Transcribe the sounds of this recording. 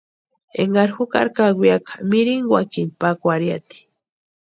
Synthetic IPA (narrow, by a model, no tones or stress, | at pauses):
ḛŋɡaɾxuka̰ɾkaɡʷijakʰḁmiɾiŋɡwakinpakʷaɾjat̪i̥